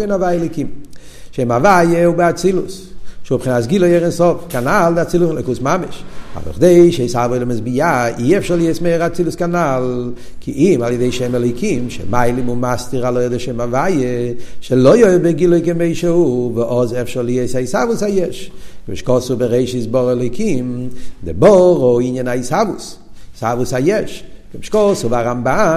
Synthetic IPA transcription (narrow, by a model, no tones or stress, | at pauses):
enavajɛlokim | ʃemavajeubɪat͡silṵs | ʃupχɪnas̬ɡilˠojɛʁɛnsɔfkanalˠdɪat͡siluslokusmamɪʃa̰vnɔ̰χdeɪʃisavoɪlɪmɪsbɪjaiɛfʃaʁlˠiesmeʁat͡silˠuskanalˠ | kʰɪʔimalˠjədeɪʃɛmɛlɔɪkʰimʃɛ̰maɪlɪmumastiʁalˠojdɪʃeɪmavajəʃɛlojoɪbeɡilˠojkɪmeɪʃehuvɪʔɔzɛfʃɔʁlieɪsaisavusajɛʃɡ̥ɪmɪʃkɔsubɪʁeɪʃisbɔʁɛlˠoɪkʰimdɪbɔʁoiɲjɛnaishavusshavusajɛʃɡ̥ɪmʃkɔsubaʁamba